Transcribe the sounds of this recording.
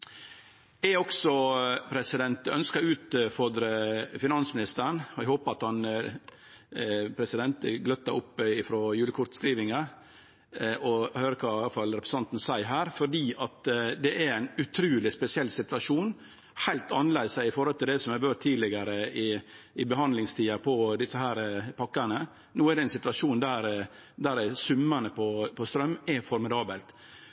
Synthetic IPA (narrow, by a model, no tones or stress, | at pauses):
ɛɔksɔpʰɾɛsɪd̪ɛnt̪œ̰nskɑʉːt̪fɔɾd̪ɾəfɪnɑnsəmɪnɪst̪əɾəɳɔɛhoːpɑt̪hɑn | pʰɾɛsɪd̪ɛnt̪əɡlœt̪ːɑʊpːɪfɾoːjʉːləkʰʊɾt̪skɾiːʋɪŋə | ɔhøːɾəkʰɑːfɑlɾɛpɾɛəsɑnt̪n̩sæɪɦæːɾfɔɖiːɑt̪d̪ɛʔɛɾæɪnʉt̪ʰɾʉːlɪspɛsɪɛlːsɪt̪ʉɑʂuːn | hæɪlt̪ɑnːəlɛɪd̪sæɪɪfɔɾhɔlt̪ʰɪld̪ɛsɔmhæʋøːʈt̪ʰːiːlɪɡəɾəɪɪbəɦɑnd̪lɪŋst̪ʰiːɑpʰɔd̪ɪsːəhæːɾəpʰɑkːənə | nuːæɾɖ̪ɛɛnsɪt̪ʋɑʂuːnd̪æɾ | d̪æɾsʉmːənəpʰɔpʰɔst̪ɾœmːɛfɔɾmɪd̪ɑːbəlt̪